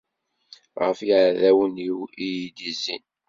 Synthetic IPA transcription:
ʁəfiʕðæwəniwijid̪izḭn

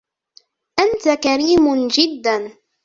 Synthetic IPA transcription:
ʔant̪akaɾiːmʊnd͡ʒɪd̪ːan

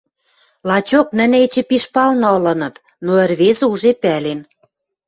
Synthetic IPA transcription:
lɑt͡ɕoknə̆net͡ɕĕpiʃpɑlnɤ̆ɤ̆lɤ̆nɤ̆t̪ | noə̆rβezɘ̆uʒepælen

